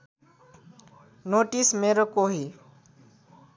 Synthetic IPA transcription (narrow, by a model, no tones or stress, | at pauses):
noʈismeɾokoɦi